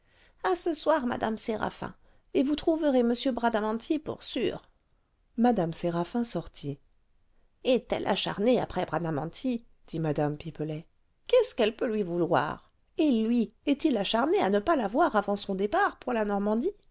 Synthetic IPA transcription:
asəswaʁma̰d̪a̰mseʁa̰fɛ̰̃ | evut̪χuvəʁeməsjøbʁad̪amɑ̃t̪ʰipṵʁsy̰ːʁ | mad̪amseʁafɛ̃sɔʁt̪ʰi | ɛt̪ɛ̰lʔa̰ʃa̰ʁnea̰pχɛbʁad̪amɑ̃t̪ʰi | d̪̥imad̪ampipəlɛ | kʲɛskɛlpølɥivulwa̰ʁ | elɥiɛt̪ilaʃaʁneanəpalavwaʁavɑ̃sɔ̃d̪epaʁpuʁlanɔʁmɑ̃d̪i

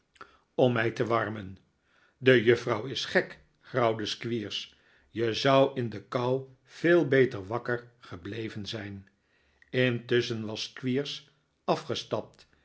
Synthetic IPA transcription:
ɔmːɛjtəʋɑɹmən | dəjɵfrɑwɪsχɛk | χrɑwdəskʋiːɹs | jəzʌwɪndəkʌw | v̥ɪːlˠbejtəɹʋɑkərχəblejvənzɛjn | ɪntɵsənʋɑskʋiːɹs | ɑfχəstɑp̚t

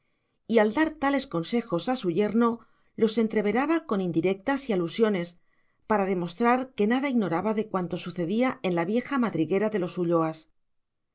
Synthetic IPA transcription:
iald̪aɾt̪ale̞skonse̞xo̞sasuʝe̞ɾno̞ | lo̞se̞nt̪ɾe̞β̞e̞ɾaβako̞nind̪iɾe̞k̚t̪asialusjo̞ne̞s | paɾað̞e̞mo̞st̪ɾaɾke̞naðaiɣno̞ɾaβaðe̞kwant̪o̞suθe̞ðiae̞nlaβje̞xamaðɾiɣe̞ɾaðe̞lo̞suʎo̞as

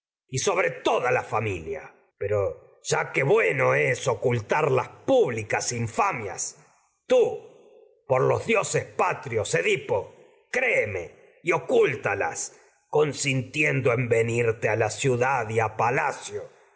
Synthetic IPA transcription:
iso̞β̞ɾe̞t̪o̞ðalafamilja̰ | pe̞ɾo | ʒ̥akeβwe̞no̞eso̞kult̪aɾlaspuβlikasiɱfamja̰s | t̪u | poɾlo̞zðjo̞sespat̪ɾjo̞seðipo | kɾemḛ | io̞kult̪ala̰s | ko̞nsint̪jend̪oembe̞niɾt̪ealasjuðaðiapala̰sjo

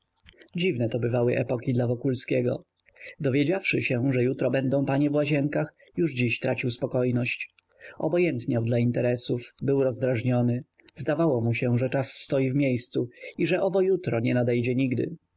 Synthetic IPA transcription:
d͡ʑivnɛt̪ɔbɘvawɘʔɛpɔkʲid̪lavɔkulskʲɛɡɔ̰ | d̪ɔvʲjed͡ʑafʂɘɕɛʐɛjut̪ɾɔbɛnd̪ɔ̃w̃paɲɛvwaʑɛŋkax | juʐd͡ʑiɕt̪ɾʔat͡ɕiwspɔkɔjnɔɕt͡ɕ | ɔ̰bɔjɛnt̪ɲawd̪laint̪ɛɾɛsufbɘwɾɔzd̪ɾaʐɲɔnɘzd̪avawɔmuɕɛʐɛt͡ʂasːt̪ɔjivmʲjejst̪suiʐɛʔɔbɔjut̪ɾɔɲɛnad̪ɛjd͡ʑɛɲiɡd̪ɘ̰

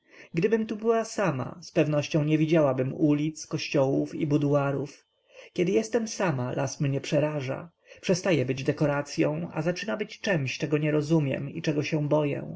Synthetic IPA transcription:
ɡd̪ɘbɘmt̪ubɘwasama̰spɛvnɔɕt͡ɕɔ̃w̃ɲɛvʲid͡ʑawabɘmulʲit̪skɔɕt͡ɕɔwufḭbud̪uaɾuf | kʲɛd̪ɘjɛst̪ɛmsamalʔasmɲɛpʂɛɾaʐa̰ | pʂɛst̪ajɛbɘd͡ʑd̪ɛkɔɾat̪sʲjɔ̰̃w̃a̰zat͡ʂɘnabɘt͡ɕt͡ʂɛmɕt͡ʂɛɡɔɲɛɾɔzumʲjɛ̰mḭt͡ʂɛɡɔɕɛ̃bɔjɛ̰̃

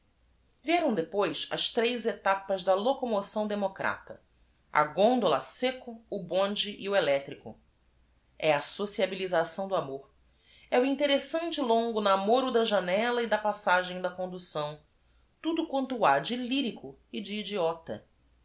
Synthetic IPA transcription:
viɛɾɐ̃w̃d̪epojsɐ̰ʃt̪ɾejzet̪apɐzd̪ɐlokomosɐ̃w̃d̪emokɾʔa̰t̪ɐ̰ | ɐ̰ɡõnd̪olɐsekʊːbõd͡ʒɪʔiuelɛt̪ɾikʊ | ɛasosiabilizasɐ̃w̃d̪ʊamoɾ | ɛʊĩnt̪eɾesɐ̃nt͡ʃɪlõŋɡʊnamoɾʊd̪ɐʒanɛlɐid̪ɐpasaʒẽj̃d̪ɐkõnd̪usɐ̃w̃ | t̪ud̪ʊkwɐ̃nt̪ʊad͡ʒɪliɾikʊɪd͡ʒiːd͡ʒiɔt̪ɐ̰

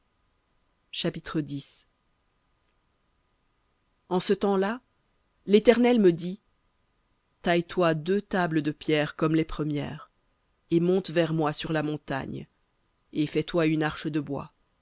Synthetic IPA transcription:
ʃapit̪χəd̪is | ɑ̃sət̪ɑ̃la | let̪ɛʁnɛlməd̪i | t̪ajt̪wad̪øt̪abləd̪əpjɛʁkɔmlɛpχəmjɛ̰ːʁ | emɔ̃t̪vɛʁmwasyʁlamɔ̃t̪a̰ɲ | efɛt̪waynaʁʃəd̪əbwa̰

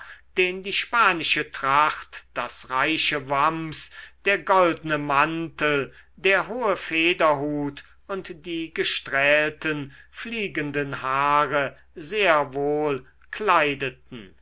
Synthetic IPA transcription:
d̥eːndiːʃpaːnɪʃətʁ̥aχtd̥asʁaɪʃəvamsd̥eːɐɡɔldənəmantəldeːɐɦoːəfeːdɐɦuːt | ʊntd̥iːɡəʃtʁɛːltənfliːɡəndənhaːʁə | zeːɐvoːl | kʰlaɪdətn̩

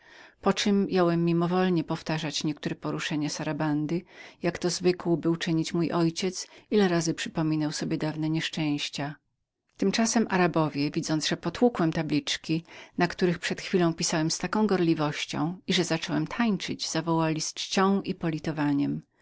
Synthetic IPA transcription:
pɔt͡ʂɘmjawɛmːʲimɔvɔlɲɛpɔft̪aʐat͡ɕɲɛkt̪uɾɛpɔɾuʂɛɲɛsaɾaband̪ɘjakt̪ɔzvɘkwɔbɘwt͡ʂɘɲit͡ɕmujʔɔjt͡ɕɛt̪silɛɾazɘpʂɘpɔmʲinawsɔbʲjɛd̪avnɛɲɛʂt͡ʂɛ̃w̃ɕt͡ɕa | t̪ɘmt͡ʂasɛmʔaɾabɔvʲjɛvʲid̪zɔnd̪zʐɛpɔt̪wukwɛmt̪ablʲit͡ʂkʲinakt̪uɾɘxpʂɛt̪xfʲilɔ̃w̃pʲisawɛmst̪akɔ̃w̃ɡɔɾlʲivɔɕt͡ɕɔ̰̃w̃iʐɛzat͡ʂɔwɛmt̪ʰaɲt͡ʂɘd͡ʑz̥avɔwalʲist͡ʂt͡ɕɔ̃w̃ʔipɔlʲit̪ɔvaɲɛm

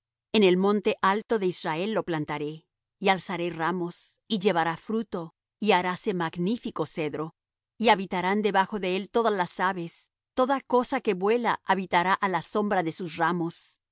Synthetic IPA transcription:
ene̞lmõ̞nt̪e̞ʔalt̪o̞ðe̞israe̞lːo̞plant̪aɾe̞ | ialsaɾe̞ramo̞s | iʝe̞βaɾafɾut̪o̞ | iaɾase̞maɡnifiko̞se̞ðɾo̞ | iaβit̪aɾand̪e̞βaxo̞ðe̞elt̪o̞ðalasaβes | t̪o̞ðako̞sake̞βwe̞la̰ʔaβit̪aɾaʔalaso̞mbɾaðe̞susramo̞s

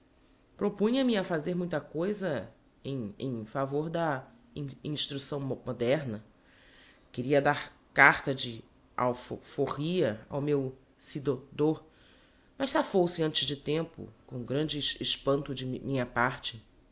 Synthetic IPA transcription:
pɾopũɲɐmɪafazeɾmũj̃t̪ɐkojzɐ | ẽj̃ḛ̃j̃favoɾd̪ɐ̃ | ĩʃt̪ɾusɐ̃w̃mod̪ɛɾnɐ | kɪɾiɐd̪aɾ | kaɾt̪ɐd͡ʒɪ | a̰wfofoʁiɐa̰wmew | sid̪od̪oɾ | mɐʃsafosɪɐ̃nt͡ʃɪzd͡ʒɪt̪ẽmpʊ̰kõw̃ɡɾɐ̃d͡ʒɪɪʃpɐ̃nt̪ʊd͡ʒɪmʔĩɲɐpaɾt͡ʃɪ

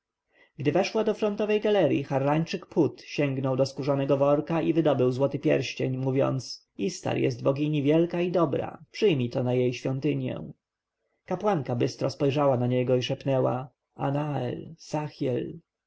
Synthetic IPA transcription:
ɡ̥d̪ɘvɛʂwad̪ɔfɾɔnt̪ɔvɛjɡalɛɾjḭxaɾːaɲt͡ʂɘkpʰut̪ɕɛŋɡnɔwd̪ɔskuʐanɛɡɔvɔɾkaʔivɘd̪ɔbɘwzwɔt̪ɘpʲjɛ̰ɾɕt͡ɕeɲmuvʲjɔ̰nt̪s | ist̪a̰ɾjɛ̰st̪bɔɡʲiɲivʲjɛlkaid̪ɔbɾa̰pʂɘjmʲit̪ɔnajejɕfʲjɔnt̪ɘɲjɛ̰̃ | kapwaŋkabɘst̪ɾɔspɔjʐawanaɲɛɡɔiʂɛpnɛwa̰ | a̰naɛ̰lsaxjɛl

